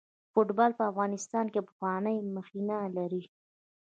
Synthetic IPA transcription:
foʈbɑlpəafɣɑnɪst̪ɑnkepə̥xwɑnəjməxinalaɾi

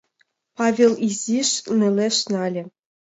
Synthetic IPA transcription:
pɑvʲelˠiziʃnɘ̆lʲeʃnɑlʲɘ̆

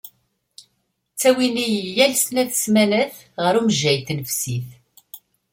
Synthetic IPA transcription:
t͡sːæwinijəlːælsnæθsmænəθ | ʁəɾumʒːæjθnəfsiθ

